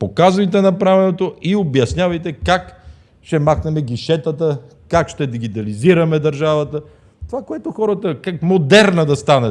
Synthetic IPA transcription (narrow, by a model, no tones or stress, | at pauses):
pokazvɐjt̪ɛnɐpɾavɛnot̪oiobjɐsnʲavɐjt̪ɛkak | ʃt̪ɛmaxnɛmɛɡiʃɛt̪ət̪ə | kakʃt̪ɛd̪iɡit̪ɐliziɾɐmɛd̪ɐɾʒavɐt̪ə | t̪ovakoɛt̪oxɔɾət̪əkakmod̪ɛɾnəd̪ɐst̪anɐt̪